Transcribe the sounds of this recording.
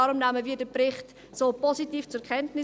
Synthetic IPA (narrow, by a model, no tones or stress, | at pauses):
ɑɾʊmnæməviːədəprɪχt | soːpositiːft͡sʊkʰɛntnɪ